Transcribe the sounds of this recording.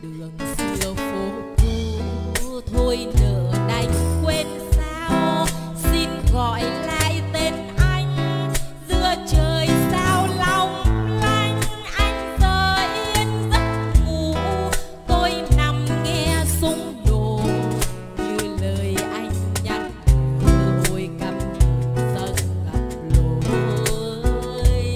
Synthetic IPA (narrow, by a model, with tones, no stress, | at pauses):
ɗɨ˨˩əŋzɨɨ˧əfo˨˦ku˧˩˧ | t̪ʰo˧jnəː˧˨˩ɗa˨˩jŋ̟kwe˧nsaː˧w | si˧nɣɔ̰˧˨jla̰ː˧˨jt̪e˧n | ʔa˧jŋ̟zɨ˧ət͡ɕəː˨˩jsaː˧wlɔ˧˩wŋ͡mla˧jŋ̟ʔa˧jŋ̟zəː˧˩ʔi˧ənzə˦˥t̚mu˨˩ | t̪o˧jna˨˩mŋɛ˧sʊ˧˦ŋ͡mɗo˨˩ | ɲɨ˧ləː˨˩jʔa˧jŋ̟ɲa˨˩t̚ɨ˧t̪o˧jkə˨˩p̚ɲ˨˩t̪ə˧nɣa˨˩p̚lo˨˩ɗ | j